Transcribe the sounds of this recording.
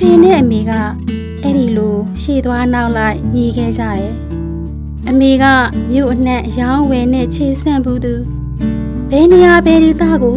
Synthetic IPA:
pʰɛ̃˨nɛ̰˦˨ʔəme˨ɡa̰˦˨ | ʔɛ˦ɾi˨lo˨ʃe˦˨d̪wa˦na˦ʊʔla˦ɪʔɲi˨ɡɛ̰˦˨d͡ʑä̰˦˨ɾɛ˨ | ʔəme˨ɡa̰˦˨mjo̰˦˨ʔən̥ɛ̃˦˨ʔəjã˦ʊ̃wɛ˨n̥ɛ̰̃˦˨t͡ɕʰe˨sʰɪ̃˦˨mbu˦˨d̪u˨ | b̥ɛ˨ne˨ja˨bɛ˨ɾi˨t̪ä̰˦˨ɡo˨

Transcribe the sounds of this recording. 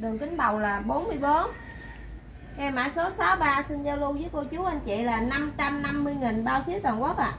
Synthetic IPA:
ɗɨ˨˩əŋkï˨˦ŋ̟ɓa˨˩wlaː˨˩ɓo˨˦nmɨ˧əjɓo˨˦n | ʔɛ˧maː˧˥so˨˦sa˨˦ɓaː˧sɨ˧nzaː˧wlu˧zə˨˦jko˧t͡ɕu˨˦ʔa˧n̟t͡ɕḭ˧˨laː˨˩na˧mt͡ɕa˧mna˧mːɨ˧əjŋi˨˩nɓaː˧wsi˨˦əwt̪waː˨˩nku˨˦˥ək̚ʔaː˧˨ʔ

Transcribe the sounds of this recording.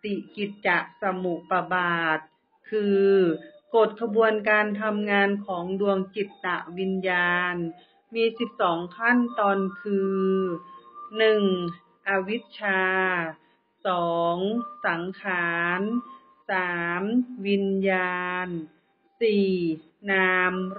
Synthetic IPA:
t̪i˨˧˩ki˨˧˩t̪̚t͡ɕa˨˩ʔ̚sa˧mu˨˩ʔpa˧baː˨˩t̪̚ | kʰɯː˧ko˨˩t̪̚kʰa˧bu˧ənkaː˧nt̪ʰa˧mŋaː˧nkʰɔː˩˦ŋdu˧əŋt͡ɕi˨˩t̪̚ːa˨˧˩ʔwi˧njaː˧n | miː˧si˨˧˩p̚sɔː˩˦ŋkʰa˥˨nt̪ɔː˧nkʰɯː˧ | nɯ˨˩ŋ | ʔa˧wi˦˥t̪̚t͡ɕʰaː˧ | sɔː˩˦ŋsa˨˩˦ŋkʰaː˩˦n | saː˩˦mwi˧njaː˧n | siː˨˩ | naː˧m

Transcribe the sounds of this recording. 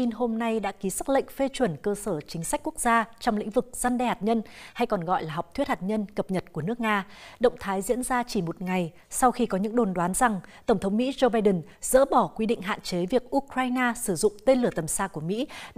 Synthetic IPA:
i˧nho˧mna˧jɗa̰ː˧˥ki˨˦sa˦˥t̚lə̰˧˨ŋ̟fe˧t͡ɕwə˨˧˩nkəː˧səː˧˩t͡ɕï˨˦ŋ̟sa˦˥k̟̚ku˦˥ək̚zaː˧t͡ɕɔ˧wŋ͡mlḭ̈˧˥ŋ̟vɨ˨˩k̚z̥a˧nɗɛ˧haː˨˩t̚ɲə˧nha˧jkɔ˨˩nɣɔ̰˧˨jlaː˨˩ɦɔ˨˩k͡p̚t̪ʰwt̚haː˨˩t̚ɲə˧nkə˨˩p̚ɲə˨˩t̚ku˧˩ən˦˥ək̚ŋaː˧ɗə̰˧˨wŋ͡mt̪ʰaː˨˦jzḭ˧˥ənzaː˧t͡ɕi˧˩mo˨˩t̚ŋa˨˩j | sa˧wxi˧kɔ˨˦ɲɨ̰˧˥ŋɗo˨˩nɗwaː˨˦nza˨˩ŋt̪ə˧˩wŋ͡mt̪ʰə˨˦ŋ͡mmḭ˧˥zo˧ɓaː˧jɗɨ˨˩nz̥ə̰ː˧˥ɓɔ˧˩kwi˧ɗḭ̈˧˨ŋ̟ɦa̰ː˧˨nt͡ɕe˨˦vi˨˩ək̚ʔu˧kɾaː˧jnaː˧sɨ˧˩zʊ̰˧˨ŋ͡mt̪e˧nlɨ˧˩ət̪ə˨˩msaː˧ku˧˩əmḭ˧˥

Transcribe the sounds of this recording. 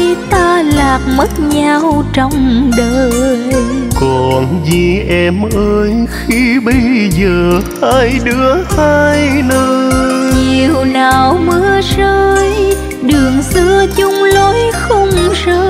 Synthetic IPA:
i˧t̪aː˧laː˨˩p̚mə˦˥t̚ɲaː˧wt͡ɕɔ˧wŋ͡mɗəː˨˩ | kɔ˨˩nzi˨˩ʔɛ˧mʔəː˧jxi˧ɓə˧jzəː˨˩haː˧jɗɨ˨˦˥əhaː˧jnəː˧ɲi˨˩wnaː˨˩wmɨ˧˥əsəː˧j | ɗɨ˨˩əŋsɨ˧ət͡ɕʊ˧ŋ͡mlo˨˦jxə˧wŋ͡msə˧

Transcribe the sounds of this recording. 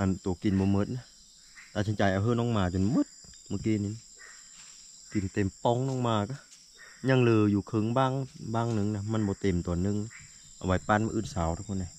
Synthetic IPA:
ʔa˧˨nt̪uː˨˩˦ki˨˩nbɔː˨˧˦mɤ˧t̪̚na˧ | t̪aː˧˩t͡ɕʰa˧nt͡ɕaː˨˩jʔa˨˧wɦɤː˧˨nɔː˧˥˨ŋmaː˧˩t͡ɕo˨nmɤ˧˦t̪̚mɯ˧˦kiː˧˨ni˧˨n˧ | ki˨˩nt̪e˨˩mpɔ˧˨ŋnɔ˧˨ŋmaː˧˩ka˧˩ | ɲa˧˨ŋlɤː˧˩juː˨˩kʰɤ˧˦ŋbaː˧˨ŋbaː˧˩˨ŋnɯ˧˨ŋna˧ma˧˥˨nbɔː˨˦t̪e˨˩mt̪ɔː˨˩nːɯ˧ŋ | ʔa˨˧wa˨˦jpa˧˥˨nma˧ʔɯː˧˩˨nsaː˨˦wɾa˧kʰɔ˧˨na˧˦

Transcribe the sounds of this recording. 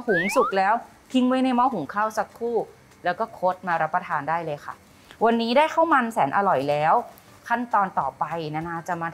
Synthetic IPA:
hu˨˩˦ŋsu˨˩k̚lɛː˦˥w | t̪ʰi˧ŋmaː˦˥˩jna˧jmɔ˦˥˩wɦu˨˩˦ŋkʰaː˥˩wsa˦˥kʰːuː˥˩ | lɛː˦˥wkɔː˥˩kʰo˦˥t̪̚maː˧ɾa˦˥pːɾa˧t̪ʰaː˧ndaː˥˩jlɤː˧jkʰa˥˩ | wa˧nːiː˦˥daː˥˩jkʰa˥˩wma˧nsɛː˩˦nʔa˧lɔ˨˩jlɛː˦˥w | kʰa˥˩nt̪ɔː˧nt̪ɔː˨˩pa˧jna˧naː˧˩t͡ɕa˨˩maː˧

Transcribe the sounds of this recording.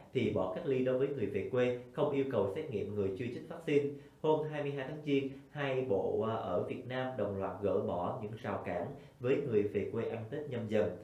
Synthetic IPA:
t̪ʰi˨˩ɓɔ˧˩kaː˦˥k̚li˧ɗo˨˦jvəː˨˦jŋɨ˨˩əjvḛ˨˩t̚kwe˧xə˧wŋ͡mʔi˧əwkə˨˩wsɛ˦˥t̚ŋḭ˧˨əmŋɨ˨˩əjt͡ɕɨ˧t͡ɕi˦˥k̟̚vaː˦˥k̚si˧n | ho˧mɦaː˧jmɨ˧jɦaː˧jt̪ʰaː˨˦ŋt͡ɕi˧ənhaː˧jɓo̰˧˨ʔəː˧˩vi˨˩ət̚naː˧mɗə˨˩wŋ͡mlwaː˨˩t̚ɣə̰ː˧˥˩ɓɔ˧˩ɲɨ̰˧˥ŋzaː˨˩wkaː˧˩n | vəː˨˦jŋɨ˨˩əjvḛ˨˩kwe˧ʔa˧ŋ̟t̪i˦˥t̚ɲə˧mzə˧˩n

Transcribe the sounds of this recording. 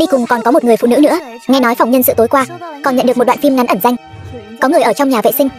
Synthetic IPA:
ɗi˧kʊ˨˩ŋ͡mkɔ˨˩nkɔ˨˦mo˨˩t̚ŋɨ˨˩əfṵ˧˨nɨ˧˥nɨ̰˧˥əŋa˧jnɔ˨˦jfa˨˩ŋ͡mɲə˧nsɨ̰˧˨t̪o˨˦jkwaː˧kɔ˨˩nɲə̰˧˨nɗɨ˨˩kmo˨˩ɗw̰ːnfi˧mŋa˨˦nʔə˧˩nza˧jŋ̟ | kɔ˨˦ŋɨ˨˩əʔəː˧˩t͡ɕɔ˧wŋ͡mɲaː˨˩vḛ˧˨sï˧ŋ̟

